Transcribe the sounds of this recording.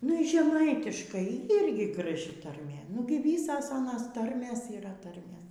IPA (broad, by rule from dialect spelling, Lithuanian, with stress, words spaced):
nʊ iː ʒʲɛˈmɐɪtʲɪʃkɐɪ ˈiːrʲɡʲɪ ɡrɐˈʒʲɪ tɐrʲˈmʲeː ˈnʊɡʲɪ ˈʋʲiːsɐs ˈɑːnɐs ˈtɐrʲmʲeːs iːˈrɐ ˈtɐrʲmʲeːs